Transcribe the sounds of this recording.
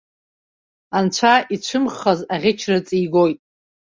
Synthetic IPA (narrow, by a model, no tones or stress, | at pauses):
ant͡ʃʷʰaʔit͡ɕʷʰɨmχazaʁʲɪt͡ʃʰrɨt͡sʼijɡo̞jtʼ